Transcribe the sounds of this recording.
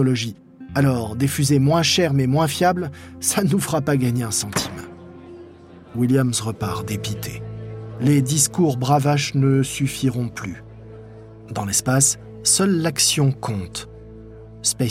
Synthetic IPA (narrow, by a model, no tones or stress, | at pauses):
ɔlɔʒi | alɔʁd̪ifyzemwɛ̃ʃɛʁmɛmwɛ̃fjablsanufʁapaɡaɲeɛ̃sɑ̃t̪ʰim̃ | wiljamsʁəpaʁd̪epit̪ʰeled̪iskuʁbʁavaʃnəsyfiʁɔ̃ply̰ | d̪ɑ̃lɛspasː | œlːaksjɔ̃kʰɔ̃t̪ | spɛ